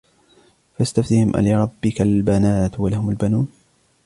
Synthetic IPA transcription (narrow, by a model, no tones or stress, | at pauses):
fast̪aft̪ɪhɪmʔa̰lɪɾˤɑbːɪkalbanaːt̪walahʊmalbanuːn